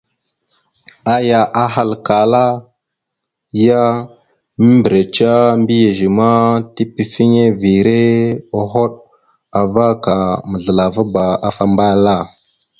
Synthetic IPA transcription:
a˦ja˨ʔa˨ɦa˨lka˨la˦ | ja˦ | mi˦mbɾe˨t͡ʃa˦mbi˦je˨ʒi˨ma˦ti˦pi˨fi˦ŋe˦vi˨ɾe˦o˦ɦo˦ɗ | a˨va˦ka˨mə˨ɮə˨la˨va˦ba˨a˨fa˦mba˦la˦˨

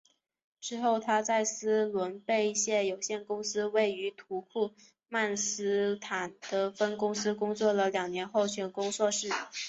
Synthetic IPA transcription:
ʈ͡ʂɻ̩˥xo˥˩ʊt̪ʰa˥t͡sa˥˩ɪsɹ̩˥lwə˧˥npe˥˧ɪi˥˩ɕjɛ˥˩jo˨˩ʊɕjɛ˥˩nkʊ˥ŋsɹ̩˥we˥˩ɪy˧˥t̪ʰu˧˥kʰu˥˧ | ma˥˩nsɹ̩˥t̪ʰa˨˩nd̪̥ə˧fə˥nkʊ˥ŋsɹ̩˥kʊ˥ŋt͡swɔ˥˩lə˩ljɑ˨˩ŋnjɛ˧˥nxo˥˩ʊt͡ɕʰɛ˧˥nkʊ˥ŋt͡swɔ˥˧ʂɻ̩˥˩

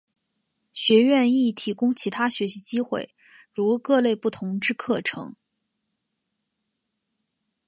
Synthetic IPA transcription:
ɕɥɛ˧˥ɥɛ˥˧ni˥˩t̪ʰi˨˩kʊ˥ŋt͡ɕʰi˧˥t̪ʰa˥ɕɥɛ˧˥ɕi˧˥t͡ɕi˥xwḛ˥˩ɪ | ɻu˧˥˧kɤ˥˧le˥˧ɪpu˥˩t̪ʰʊ˧˥ŋʈ͡ʂɻ̩˥kʰɤ˥˩ʈ͡ʂʰɤ̰˧˥ŋ

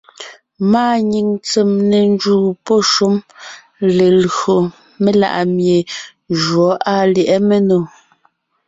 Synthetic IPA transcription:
maː˦˨ɲi˨ŋt͡se˨mne˨n˦d͡ʒuː˨pɔ˦˨ʃu˦m | le˨lɰo˨ | me˦la̰˦˨ʔa˨mje˨ | ʒwɔ˨˦ʔa˦˨ljɛ˨ʔɛ˦me˦no˨

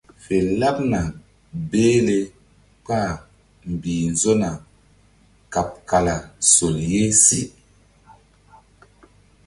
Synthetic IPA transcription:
fe˨la˦p̚na˨ | be˦le˦ | pa˦˨ | m̩˨bi˨nzo˦na˨ | ka˨p̚ka˨la˨so˨lje˦si˦

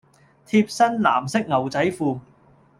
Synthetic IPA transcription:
t̪ʰiː˧p̚sɐ˥nla̰ː˨˩msɪ˥k̚ŋɐ˨˩wt͡sɐ˨˥jfuː˨˧

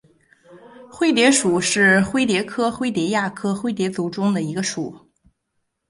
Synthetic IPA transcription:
xwe˥ɪt̪jɛ˧˥ʂu˨˩ʂɻ̩˥˩xwe˥ɪt̪̬jɛ˧˥kʰɤ˥xwe˥ɪt̪jɛ˧˥ja˥˩kʰɤ˥xwe˥ɪt̪̬jɛ˧˥t͡su˧˥ʈ͡ʂʊ˥ŋd̪ə˨i˧˥ɡə˧ʂu˨˩˦

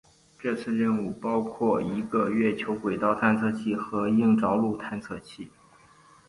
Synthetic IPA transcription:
ʈ͡ʂɤ˥˧t͡sʰɹ̩˥˧ɻə˥˧nu˥˩pɑ˥ʊkʰwɔ˥˩i˧˥ɡə˧ɥɛ˥˩t͡ɕʰjo˧˥ʊkwe˨˩ɪt̪ɑ˥ʊt̪ʰa˥˧nt͡sʰɤ˥˧t͡ɕʰi˥˩xɤ˧˥i˥˩ŋʈ͡ʂɑ˧˥ʊlu˥˩t̪ʰa˥˧nt͡sʰɤ˥˧t͡ɕʰi˥˩

